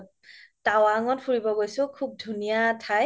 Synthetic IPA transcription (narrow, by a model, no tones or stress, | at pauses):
tawaŋɔtpʰuɹibɔɡojsʊ̃kʰub̚dʱunijatʰaj